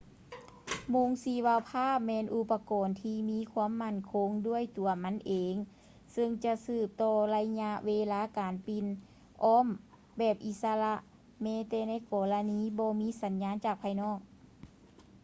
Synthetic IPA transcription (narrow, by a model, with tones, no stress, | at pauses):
mo˧˥˨ŋsiː˧˩waː˧wpʰaː˥˩p̚mɛː˧˨nʔu˧˩pːa˧kɔː˨˩nt̪ʰiː˧miː˧˥˨kʰwu˧˥ə˨mːa˧˥˨nkʰo˧˥ŋdu˥˩˨əjt̪u˨˩ɐma˧˥nʔeː˨ŋ | sɯ˧ŋt͡ɕa˧ʔsɯː˧˩p̚t̪ɔː˧˩la˧jɲa˧˥ʔweː˧laː˧˥˨kaː˨npi˧˨n | ʔɔː˧˥˨m | bɛː˧˩p̚ʔi˧˥t̪̚sa˧la˧ʔ | mɛː˧˥t̪ɛː˧na˧˥˨jkɔː˨˩la˧niː˧˥˨bɔː˧miː˧˥˨sa˨˦nɲaː˧˥nt͡ɕaː˨˩k̚pʰaː˧jnɔː˧˥˩k̚